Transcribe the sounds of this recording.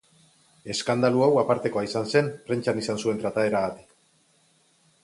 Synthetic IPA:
e̞skand̪aluawapaɾt̪e̞ko̞aisanse̞npre̞nt͡ʃanisansue̞nt̪ɾat̪ae̞ɾaɣat̪i̥k

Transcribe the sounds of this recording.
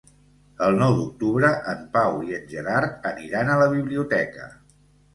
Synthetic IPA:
əlˠnɔwd̪uk̚t̪uβɾəʔəmpawiənʲʒəɾaɾəniɾanələβ̞iβliut̪ɛkə̰

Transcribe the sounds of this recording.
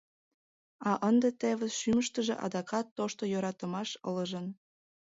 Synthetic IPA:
ɑʔənd̪et̪eβəʃyməʃt̪əʒḛ̆ʔɑ̰d̪ɑkɑt̪ːoʃt̪ojoɾɑt̪ə̆mɑʃə̰ləʒə̆n

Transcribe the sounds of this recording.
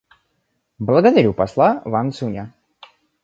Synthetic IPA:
blˠəɡəd̪ɐɾʲupɐslˠavansunʲa

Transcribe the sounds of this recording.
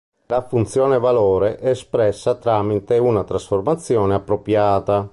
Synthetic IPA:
lafunt̪sjɔːnevalɔːɾeʔɛspɾɛsːat̪ɾaːmit̪eunat̪ɾasformat̪sːjɔːneapːɾopjaːt̪a

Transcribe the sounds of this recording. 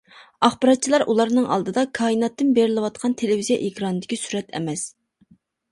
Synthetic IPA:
ɑχbɑɾɑt̪̚t͡ʃʰilˠɑɾʔulˠɑɾnɨŋʔɑ̰lˠd̪ɨd̪ɑkʰɑːinɑt̪ːɨnbeɾɪlɪwɑt̪qʰɑnt̪ʰelɪvizijɑʔekʲɾɑnɨd̪ɪkʲisyɾɛt̪ʰɛ̰mɛs

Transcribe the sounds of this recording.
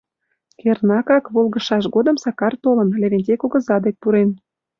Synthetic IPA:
kernɑkɑkβolɣə̆ʃɑʃɡod̪ə̆msɑkɑrt̪olənleβenʲtʲekoɣə̆zɑd̪ek̚puɾen

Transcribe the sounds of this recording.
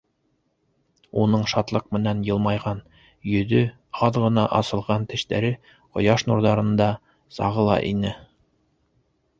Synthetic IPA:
unɤɴʃɑt̪lˠɤq̚mɘ̆nænjɤ̆lˠmɑjʁɑn | jɵ̆ðɵ | ɑðʁɤ̆nɑʔɑsɤ̆lˠʁɑnt̪ɘ̆ʃt̪æ̰ɾɘ | qŏjɑʃnuɾðɑɾɤ̆nd̪ɑ | sɑ̰ʁɤ̆lˠɑ̰ʔinɘ

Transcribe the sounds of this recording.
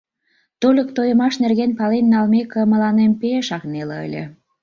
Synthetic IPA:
t̪olʲəkt̪ojə̆mɑʃnerɣenpɑlenːɑlmekə̆mə̆lɑnempeʃɑknelĕə̰lʲḛ̆

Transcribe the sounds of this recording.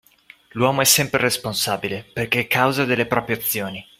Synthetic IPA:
lwɔːmoɛsːɛmpɾeresponsaːbileperkeɛkːawzad̪elːepɾɔːpɾjeat̪sːjoːni

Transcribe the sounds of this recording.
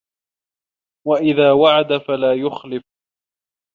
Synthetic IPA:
waʔɪðaːwaʕad̪afalaːjʊxlɪf

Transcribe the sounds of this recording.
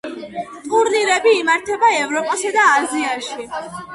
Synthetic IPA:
t̪ʼuɾniɾɛbiːmaɾt̪ʰɛbaɛvɾɔpʼasad̪aːziaʃi

